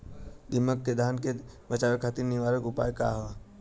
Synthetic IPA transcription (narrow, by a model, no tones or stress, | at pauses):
d̪ɪməkːed̪ʱaːnkebət͡ʃaːʋekʰaːt̪iɾniʋaːɾəkʊpa̰ːjka̰ɦʋa